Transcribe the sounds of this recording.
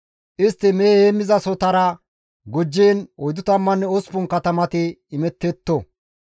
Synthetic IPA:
ʔɪst̪ːɪmeːeːmːɪzɐsɔt̪ɐɾɐ | ɡɔd͡ʒːeːnɔjd̪ʊt̪ɐmːɐnːɛɔspʊnkɐt̪ɐmɐt̪ɪːmɛt̪ːɛt̪ːɔ

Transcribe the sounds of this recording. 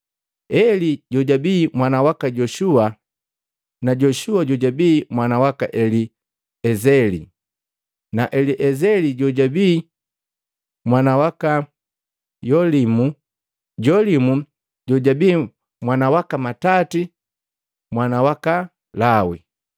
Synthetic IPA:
ɛliɟɔɟabiːmwanawakaɟɔʃua | naɟɔʃuaɟɔɟabiːmwanawaka̰ʔɛli | ɛzɛlḭ | naʔɛliʔɛzɛliɟɔɟabiː | mwanawaka | jɔlimu | ɟɔlimu | ɟɔɟabiː | mwanawakamatati | mwanawaka | lawḭ

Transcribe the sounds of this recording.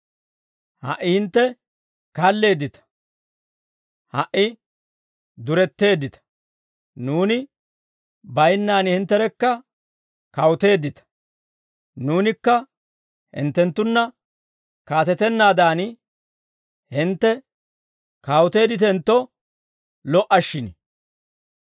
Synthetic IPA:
hɐ̰ʔːɪhɪnt̪ːɛ | kɐlːe̞ːd̪ɪt̪ɐ̥ | hɐʔɪ | d̪ʊɾɛt̪ːe̞ːd̪ːɪt̪ɐ̥ | nuːnɪ | bɐjnːaːnhɪnt̪ːɛɾɛkːɐ | kɐwʊt̪e̞ːd̪ːɪt̪ɐ̥ | nuːnɪkːɐ | hɪ̰nt̪ːɛnt̪ːʊnːɐ | kaːt̪ɛt̪ɛnːaːd̪aːn | hɪnt̪ːɛ | kawt̪e̞ːd̪ɪt̪ɛnt̪ːɔ | lɔʔɐʃːɪnɛ

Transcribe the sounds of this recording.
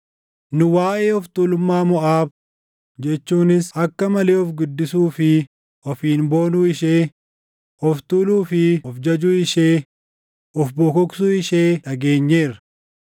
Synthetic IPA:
nʊwaːʔeːɔft̪uːlʊmːaːmɔʔaːb̚ | d͡ʒɛt͡ʃːuːnɪsɐkːɐmɐleːɔfɡʊd̪ːɪsuːfɪ | ʔɔfiːnboːnuːɪʃeː | ɔft̪uːluːfɪɔfd͡ʒɐd͡ʒuːɪʃeː | ɔfbɔkɔksuːɪʃeːᶑɐɡe̞ːɲːe̞ːɾɐ

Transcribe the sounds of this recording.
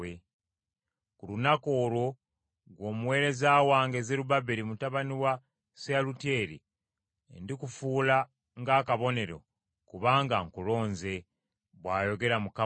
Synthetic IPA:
e | kulunako̞ːɾwo̞ | ɡwo̞ːmuwe̞ːɾe̞zaːwaːŋɡe̞zeɾubabeɾimutaβaniwa | sealutje̞ːɾḭ | ḛndikufuːla | ŋɡaːkaβo̞ne̞ɾo̞̰ | kuβaːŋɡaŋkulo̞ːnze̞ | βwaːjo̞ɡe̞ɾamuka

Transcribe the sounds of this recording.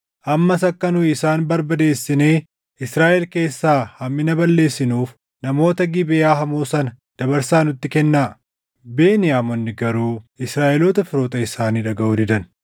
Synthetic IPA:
ʔɐmːɐsɐkːɐnʊɪsaːnbɐɾbɐd̪e̞ːsːɪneː | ɪsɾaːʔɛlke̞ːsːaːhɐmːɪnɐbɐlːe̞ːsːɪnuːf | nɐmo̞ːt̪ɐɡɪbɪaːɦɐmoːsɐnɐd̪̥ɐbɐɾsaːnʊt̪ːɪkɛnːaː | be̞ːnɪjaːmɔnːɪɡɐɾuːɪsɾaːʔɛloːt̪ɐfɪɾoːt̪ɐɪsaːniːᶑ̪ɐɡɐʔuːd̪ɪd̪ɐn

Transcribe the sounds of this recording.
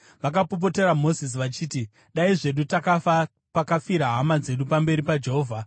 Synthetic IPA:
ʋak̬apop̬o̞teɾamo̞zis̬iʋat͡ʃiːti | ɗaiʐe̞ɗutakafa | pakafiɾaɦamad͡ze̞ɗupambe̞ɾipad͡ʒe̞ɦoːvʱa

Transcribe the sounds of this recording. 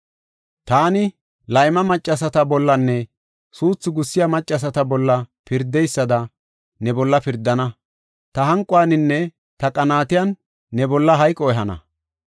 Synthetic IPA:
t̪aːnɪ | lɐjmɐmɐt͡ʃʼːɐsɐt̪ɐbɔlːɐnːɛ | suːt͡sːʊɡʊsːɪjamɐt͡ʃʼːɐs̬ɐt̪ɐbɔlːɐpɪɾd̪ɛjsːɐd̪ɐ | nɛbɔlːɐpɪɾd̪ːɐnɐ | t̪ɐɦɐŋkʼʊaːnɪnːɛ | t̪ɐkʼɐnaːt̪ɪjɐnː | ɛbɔlːɐɦɐjkʼːɔɛɦɐnɐ̰

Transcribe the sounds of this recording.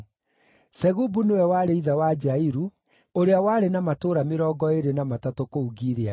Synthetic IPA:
sɛɣubunewɛwaːɾeiðawad͡ʒaiɾu | oɾeawaːɾenamatoːɾameɾɔːɡɔeɾenamatatokouɣiɾea

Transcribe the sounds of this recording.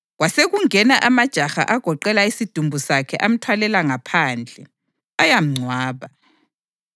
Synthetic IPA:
ɣwaseɣuŋɛnaʔamad̥ʒ̥ʱaxa̰ʔaɡ̥ʱɔǃɛlaisid̥ʱumbʱusakʰɛ̰ʔam̩tʰwalɛlaŋapʰaːnd͡ɮʱɛ | ajam̩ŋ͡ǀʱwaːβa

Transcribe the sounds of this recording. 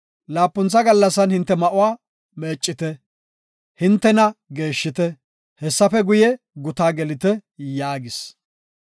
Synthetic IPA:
laːpːʊnt͡sːɐɡɐlːɐsɐnhɪnt̪ːɛmɐʔʊwaː | me̞ːt͡ʃʼːɪt̪ɛ | hɪnt̪ːɛnɐɡe̞ːʃːɪt̪ɛ | hɛsːɐfɛɡʊjɛ | ɡʊt̪aːɡɛlɪt̪ɛjaːɡɪs

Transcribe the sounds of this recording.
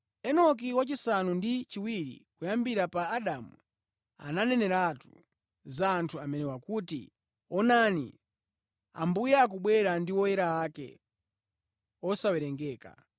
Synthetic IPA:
ɛnɔk̬iwat͡ʃisanundit͡ʃiwiɾḭkujambiɾapaːɗamu | a̰nanɛnɛɾatu | zaːntʰuamɛnɛwakutḭ | ɔnanḭ | a̰mbujaːk̬uɓwɛɾandiwɔjɛɾaakɛ̰ | ɔsawɛɾɛŋɡɛːka̰

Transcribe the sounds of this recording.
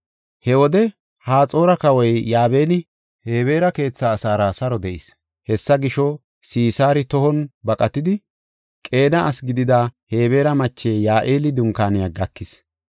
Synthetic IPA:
hɛwɔd̪ɛ | haːt͡sʼo̞ːɾɐkɐwɔjːaːbe̞ːnɪ | he̞ːβe̞ːɾɐke̞ːt͡sːaːsaːɾasɐɾɔd̪ɛʔɪs | hɛsːɐɡɪʃɔ | siːsaːɾɪt̪ɔhɔnbɐkʼɐt̪ɪd̪ɪ | kʼe̞ːnɐːsɡɪd̪ɪd̪ahe̞ːbe̞ːɾɐmɐt͡ʃːe̞ːjaːʔeːlɪd̪ʊŋkaːnɪjaɡɐkːɪs

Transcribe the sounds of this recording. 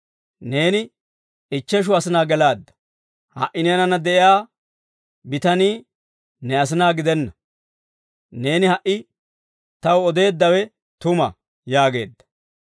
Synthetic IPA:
ne̞ːnɪ | ɪt͡ʃːɛʃ̬ʊɐsɪnaːɡɛlaːd̪ːɐ̥ | hɐ̰ʔːɪneːnɐnɐd̪ɛʔɪjaː | bɪt̪ɐniː | nɛɐs̬ɪnaːɡɪd̪ɛnːɐ | ne̞ːnɪhɐʔɪ | t̪ɐwɔd̪e̞ːd̪ːɐwɛ | t̪ʊmɐ̰ | jaːɡe̞ːd̪ːɐ̥

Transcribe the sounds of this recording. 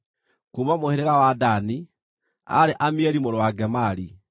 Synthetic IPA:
kuːmamoheɾeɣawadani | a̰ɾeʔamiɛɾimoɾowaɡɛmaɾi

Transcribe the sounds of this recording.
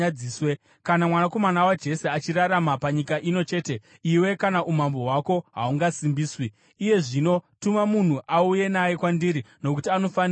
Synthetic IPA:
aiːswe | kanamwanako̞manawad͡ʒe̞seat͡ʃiraɾamapaɲikaʔino̞t͡ʃe̞ːte̞ | iwe̞kanaʔum̤ambo̞ɦwako̞ɦa̰uŋɡasimbiːswiː | je̞ʐino̞tumamun̤uʔauje̞naje̞kwandiɾino̞kutiano̞fan

